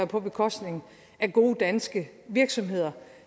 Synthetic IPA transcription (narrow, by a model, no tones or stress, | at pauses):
ɐpʰɒ̽b̥e̝kʰɒ̽sd̥ne̝ŋn̩ | æɡ̥o̝ːd̥ænsɡ̥əʋiɐɡ̥sɒ̽mɦe̝ð̞̰ˠɐ